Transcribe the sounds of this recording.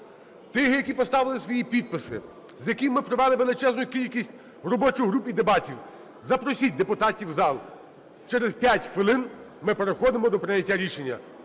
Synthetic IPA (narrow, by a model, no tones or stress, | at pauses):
t̪ɪɦjɐkʲipɔst̪ɑʋɪlˠɪsʋɔjipʲid̪̚pɪsɪ̰ | zjɐkʲimmːɪpɾɔʋɛlˠɪʋe̞lˠɪt͡ʃɛznʊjʊkʲilʲkʲisʲtʲ | rɔbɔt͡ʃʊjɦɾupid̪ebɑtʲiw | zɐpɾɔsʲit̚ʲd̪epʊt̪ɑtʲiwzɑlˠ | t͡ʃɛɾezpʲjatʲxʋɪlˠɪnmɪpeɾexɔd̪ɪmɔd̪ɔpɾɪnʲɐtʲːaɾʲiʃenʲːɐ̰